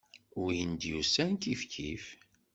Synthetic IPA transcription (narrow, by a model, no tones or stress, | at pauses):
ʊɾjənd̪jusænkifkʰif